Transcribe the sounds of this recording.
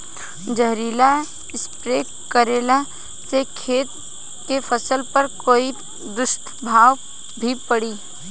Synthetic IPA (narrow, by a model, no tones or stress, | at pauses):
d͡ʒəɦɾiːla | ɪspɾe | kəɾeːla | sekʰeːt̪ | kefʰəsəlpəɾkoːi | d̪ʊst̪ʰ | bʱaːʋ | bʱipəɽiː